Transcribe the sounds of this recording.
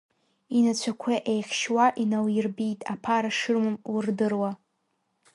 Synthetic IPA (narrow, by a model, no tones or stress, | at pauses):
inat͡ɕʷʰakʷʰaʔejχʲʃwaʔinawjɪrbitʼapʰaɾaʂɨrmɨmwrdɨrwa